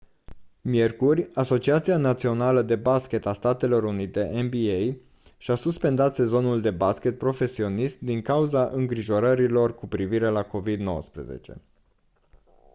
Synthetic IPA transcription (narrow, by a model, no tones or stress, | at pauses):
mje̞rkurʲaso̞t͡ʃiat̪sianat̪sio̞naləd̪e̞baskʲe̞t̪ast̪at̪e̞lo̞ɾunit̪e̞ʔenbiej | ʃasuspe̞nd̪at̪se̞zo̞nuld̪e̞baskʲe̞t̪̚pɾo̞fe̞sio̞nist̪̚d̪iŋkauzaʔɨŋɡɾiʒo̞ɾəɾilo̞rkupɾiviɾe̞lako̞vid̪no̞̰wə̰spɾḛzḛt͡ʃe̞̰